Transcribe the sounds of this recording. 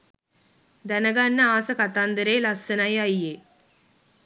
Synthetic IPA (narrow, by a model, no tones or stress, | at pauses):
d̪ænəɡanːəaːsəkat̪and̪əɾeːlasːənajajːeː